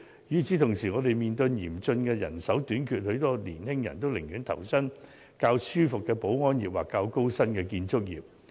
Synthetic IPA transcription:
jyː˨˩t͡siː˨˥t̪ʰʊ˨˩ŋsiː˨ŋɔː˨˧t̪e˨˩jmiː˨nt̪ɵ˧njiː˨˩mt͡sɵ˧nkɛː˧jɐ̰˨˩nsɐ˨˥wt̪yː˨˥nkʰyː˨t̚hɵ˨˧˥ɥt̪ɔː˥lḭː˨˩nhɪ˥ŋjɐ̰˨˩nt̪o˥wlɪ˨˩ŋjyː˨˥nt̪ʰɐ̰˨˩wsɐ˥n | kaː˧wsyː˥fʊ˨kːɛː˧po˨˥wŋɔː˥njiː˨˩p̚wa̰ː˨˩kːaː˧wko˥wsɐ˥nkɛː˧kiː˧nt͡sʊ˥k̚jḭː˨˩p̚

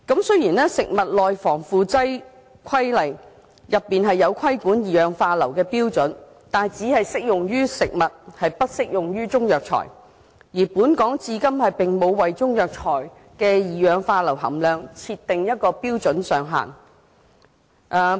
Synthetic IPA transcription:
kɐ˨˥msɵ˥jiː˨˩nɛː˥sɪ˨k̚mɐ˨t̚lɔː˨jfɔː˨˩ŋfuː˨t͡sɐ˥j | kʷʰɐ˥jlɐ˨˩j | jɐ˨pːiː˨nɦɐ˨jːɐ˨˧wkʷʰɐ˥jkuː˨˥njiː˨jœː˨˧ŋfaː˧lɐ˨˩wkɛː˧piː˥wt͡sɵ˨˥n | t̪aː˨n˨jt͡siː˨˥hɐ˨jsɪ˥k̚jʊ˨ŋjyː˥sɪ˨k̚mɐ˨t̚hɐ˨jpɐ˥t̚sɪ˥k̚jʊ˨ŋjyː˥t͡sʊ˥ŋjœː˨k̚t͡ʃʰɔ̰ː˨˩j | jiː˨˩puː˨˥nkɔː˨˥ŋt͡siː˧kɐ˥mhɐ˨jpɪ˨ŋmo˨˧wːɐ˨jt͡sʊ˥ŋjœː˨k̚t͡ʃʰɔː˨˩j | kɛː˧jiː˨jœː˨˧ŋfaː˧lɐ˨˩wɦɐ̰˨˩mlœː˨ŋt͡sʰiː˧t̪ːɪ˨ŋjɐ˥t̚kɔː˧piː˥wt͡sɵ˨˥nsœː˨ŋɦa̰ː˨˩n | ʔa˨˧

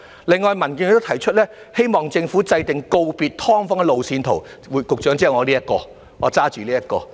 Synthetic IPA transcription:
lɪ˨ŋːɔː˨jmɐ˨˩nki˧n˧t̪o˥t̪ʰɐ˨˩jt͡ʃʰɵ˥t̚lɛː˥ | he˥jmɔː˨ŋt͡sɪ˧ŋfuː˨˥t͡sɐ˧jt̪ɪ˨ŋko˧wpiː˨t̚t̪ʰɔː˥ŋfɔː˥ŋɛ˧lo˨wsiː˧nt̪ʰo˨˩w | wuː˨˧jkʊ˨k̚t͡ʃœː˨˥ŋt͡siː˥ɐ˨˩ŋɔː˨˧liː˥jɐ˥t̚kɔː˧ | ŋɔː˨˧t͡saː˥t͡ʃyː˨liː˥jɐ˥t̚kɔː˧

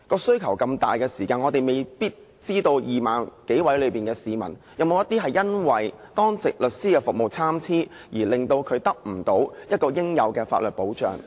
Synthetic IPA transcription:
kɔː˧sɵ˥ɥkʰɐ˨˩wkɐ˧mt̪a̰ː˨jkɛː˧siː˨˩kaː˧nŋɔ˨˧t̪e˨jme˨jpiː˥t̚ | t͡siː˥t̪o˧wjiː˨˩maː˨nke˨˥jwɐ˨˥jlɵ˨˧piː˨˩nkɛː˧siː˨˧mɐ̰˨˩n | jɐ˨˧mo˨˧wjɐ˥t̪iː˥ɦɐ˨jɐ˥nwɐ˨jt̪ɔː˥ŋt͡sɪ˨k̚lɵ˨t̚siː˥kɛː˧fʊ˨k̚mo˨˩wt͡sʰaː˥mt͡sʰiː˥jiː˨˩lɪ˨ŋt̪o˧wkʰɵ˨˧ɥt̪ɐ˥k̚m̩˨˩t̪o˨˥wjɐ˥t̚kɔː˧jɪ˥ŋjɐ˨˧wkɛː˧fa̰ː˧t̚lɵ˨t̚po˨˥wt͡ʃœ̰ː˨ŋ

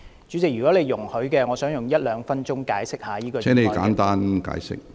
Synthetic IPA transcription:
t͡ʃyː˨˥t͡sɪ˨k̚ɥyː˨˩kɔː˨˥le˨˧jjʊ˨˩ŋhɵ˨˥ɥkɛː˧ŋɔː˨˧sœː˨˥ŋjʊ˨˩ŋjɐ˥t̚lœː˨˧ŋfɐ˥nt͡ʃʊ˥ŋkaː˨˥jsɪ˥k̚haː˨˧jiː˥kɔː˧ɛː˥ne˨˧jkaː˨˦˥nt̪aː˥nka̰ː˨˥jsɪ̰˦˥k̚

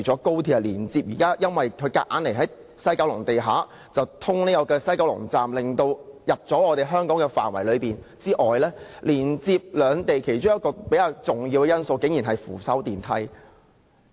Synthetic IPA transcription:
t͡sɔː˨˥ko˥wt̪ʰiː˧˥˨liː˨˩nt͡siː˧p̚jiː˨˩kaː˥jɐ˥nwɐ˨jkʰɵ˨˧ɥkaː˧˥ʔaː˨˥nle˨˩jɦɐ˨˥j | sɐ˥jka˨˥wlʊ˨˩ŋt̪e˨jɦaː˨˥ | t͡sɐ˨wt̪ʰʊ˥ŋniː˥jɔ˨˧kɛː˧sɐ˥jka˨˥wlʊ̰˨˩ŋt͡saː˨mlɪ˨ŋt̪o˧wjɐ˨p̚t͡sɔː˨˥ŋɔː˨˧t̪e˨jɦœː˥ŋkɔː˨˥ŋkɛ˧fa̰ː˨˩nwɐ˨˩jlɵ˨˧ɥpiː˨˩n | t͡siː˥ʔɔː˨˩jlɛː˥liː˨˩nt͡siː˧p̚lœː˨˧ŋt̪e˨jkʰe˨˩jt͡ʃʊ˥ŋjɐ˥t̚kɔː˧pe˨˥jkaː˧wt͡sʊ˨˩ŋjiː˧wɛ˧jɐ˥nso˧wkɪ˨˥ŋji˨˩nɦɐ˨jfṵː˨˩sɐ˨˥wt̪iː˨nt̪ʰɐ˧˥j

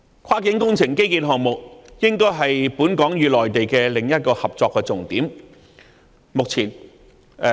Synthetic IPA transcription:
kʰaː˥kɪ˨˥ŋkʊ˥ŋt͡sʰɪ˨˩ŋke˥jkiː˧nɦɔː˨ŋmʊ˨k̚jɪ˥ŋkɔː˥jɦɐ˨jpuː˨˥nkɔː˨˥ŋjyː˨lɔː˨˩jt̪e˨jkɛː˧lɪ˨˩ŋjɐ˥t̚kɔː˧hɐ˨p̚t͡sɔː˧kːɛː˧t͡sʊ˨ŋt̪iː˨˥m | mʊ˨k̚t͡sʰiː˨˩n

